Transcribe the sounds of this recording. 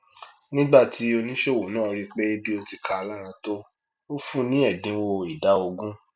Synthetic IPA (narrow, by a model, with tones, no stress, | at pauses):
nĩ˦ɡ͡ba˦˨tʰi˨˦o˧nĩ˦ʃe˦˨wo˨nãː˦˨˧ɾi˦˧k͡pe˦bi˦o˧ti˧kʰa˧a˧la˦ɾ̃ã˧to˦ | o˦fũ˦nĩ˦ɛ˦˨dĩ˨˦wo˧i˨da˨˦o˧ɡũ˦